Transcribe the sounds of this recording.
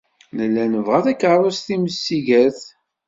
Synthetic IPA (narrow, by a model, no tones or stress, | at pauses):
ləlːænəvʁæθækːəɾˤʊsθiməsːiʝæθ